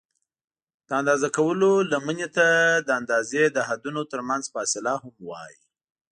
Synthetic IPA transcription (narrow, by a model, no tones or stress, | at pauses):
d̪̥əand̪ɑzakawəlolamənet̪ad̪əand̪ɑzed̪əɦad̪unot̪əɾmanzfɑsɪlahamwɑ̰jḭ